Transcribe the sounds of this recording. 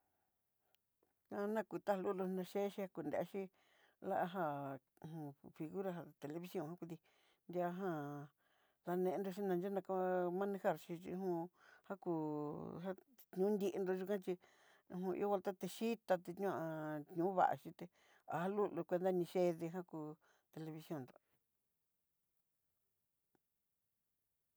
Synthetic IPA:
ã˦˧nã˦ku˧t̪a˦ha˧lu˦lo˧nã˧ʃe˦ʃi˧ha˧ku˧˨nd̪ḛ˧a˦˧ʃĩ˦ | la̰˦ʔa˧ɦa˧˨ | hũ˧fi˧ɣu˦ɾa˧ɦa˧t̪e˨le˧βi˧sjõ˧˨hã˦kʷi˧t̪i˧ | nd̪ʲa˧˦ɦã˧ | ða˧nẽ˧nd̪o˧ʃ̬i˦nã˧d͡ʒa˦nã˧ka˦mã˦nĩ˧ha˧ɾʃi˧t͡ʃḭ˧hũ˧ha˦ku˧˨ɦa˦ | t̪ɲũ˦nd̪i˧ʔe˧nd̪o˧ʒu˧kã˦t͡ʃĩ˧ | ɦũ˧ḭ˧˦o˦βa˧lt̪a˦t̪e˧ʃi˦t̪a˧t̪e˧t̪ɲõ˦˧ã˧t̪ɲũ˨˦βa̰˨ʔa̰˨ʃĩ˧t̪e˧ | a̰˨ha˦lu˦lu˧kʷe˧nd̪a˦nĩ˧ʃe˦ðe˧ɦã˦ku˧ | t̪e˧le˧βi˧sjõ˧˨nd̪o˨

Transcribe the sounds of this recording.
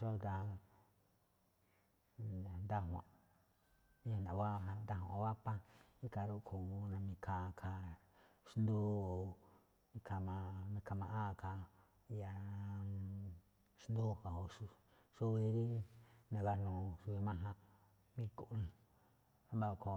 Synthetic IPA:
ʃo˦˧t̪a˧˨ | nd̪a˦ɦʷã̰˨ | ĩ˦ã˧nã˨βa˦˧ɦã˧nd̪a˦ɦũ˨˧˨o˧βa˦pã˦i˦ka˧ɾu˧kʰu˨˧nã˧mĩ˧kʰa˧kʰa˧ | ʃnd̪o˦o˨ | nĩ˧kʰa˧mã˧nĩ˧ka˧mã˧ʔa˦˨ka˧ | ja˧ | ʃnd̪o˦˨ka˨ho˧ʂu˧ | ʃu˦βi˧ɾi˦nã˧ɣa˧nũ˨ʃu˧i˧mã˦ɦã˧ | mĩ˦ku˨ʔn˧ | ã˦ba˦˧˨ko˧

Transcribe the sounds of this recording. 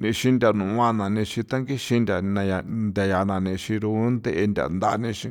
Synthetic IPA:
nĩ˧ʃĩ˧ndʲa˨nũ˨˧wã˧nã˨nĩ˧ʃĩ˧t̪a˦ŋɡi˦ʃĩ˧ndʲa˨nã˧ja˧nd̪ʲa˨ja˧nã˨nĩ˧ʃĩ˧ɾu˧˦nd̪e˦˧ʔe˧ndʲa̰˨nd̪a˧nĩ˧ʃĩ˧

